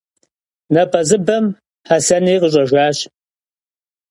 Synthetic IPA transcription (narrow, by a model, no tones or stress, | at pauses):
nɐpʰɐzɨbɐm | hɐsɐniːqəɕʷʼɐʒʷaːɕ